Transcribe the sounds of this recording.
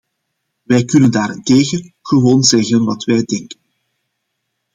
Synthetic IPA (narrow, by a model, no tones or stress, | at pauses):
ʋɛjkɵnəndaːɾɪnteːɣəɣəʋoːnzɛɣənʋɑtʋɛjdɛŋkən